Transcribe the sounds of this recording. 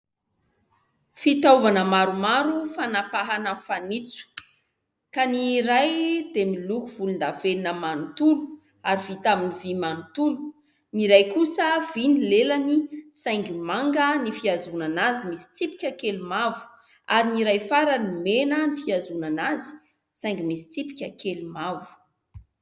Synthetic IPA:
fit̪auvanəmaɾumaɾufanapaɦanəfanit͡su̥ | kaniɾajd̪emilukuv̥ulund̪afelinəmanut̪ulu̥ | aɾiv̥it̪aminivimanut̪ulu̥ | niɾajkusəvinilelanisajŋɡimaŋɡənifiazunanazimisi̥t͡sipi̥kʲakelumavu̥ | aɾiniɾajfaɾənimenənifiazunanazi̥ | saj̃ŋɡimisi̥t͡sipi̥kʲakelumavu̥

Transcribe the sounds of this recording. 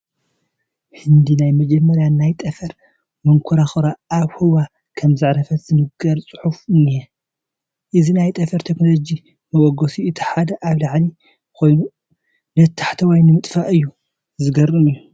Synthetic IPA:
hɨnd̪inajmɐd͡ʒɐmːɐɾjanajt̪ʼɐfɐɾ | mɐŋkʰuɾaxɨɾaːβhɨwa | kʰɐmzɨʕɾɐfɐt̪z̥ɨnɨɡɐɾt͡sʼɨ̥ħufɨnːijɛ | ʔɨzinajt̪ʼɐfɐɾt̪ʰeknolod͡ʒi | mɐwɔɡosiɨt̪ʰi̥ħad̪ɐʔaβlaʕli | kʰo̞jnu | nɐt̪ʰːḁħt̪ʰɐwajnɨmɨt̪ʼfaʔɨjːu | zɨɡɐɾɨnɨjːu

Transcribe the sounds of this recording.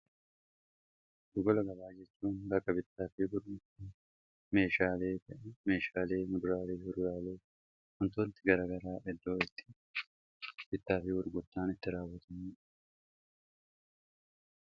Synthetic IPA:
d̪ʊɡɔlɐɡɐbaːd͡ʒɛt͡ʃːuːnbɐkːɐbɪt̪ːaːfɪbʊɾɡʊt̪ːɪ | me̞ːʃaːleːt̪ɐʔme̞ːʃaːle̞ːmʊd̪ʊɾaːleːhʊd̪ɾaːleː | ʊnt̪oːnt̪ɪɡɐɾaːɡɐɾaːʔɛd̪ːo̞ːɪt̪ːɪ̥ | b̥ɪt̪ːaːfɪwʊɾɡʊt̪ːaːnɪt̪ːɪɾaːwːɐt̪ʰɐmuːᶑ

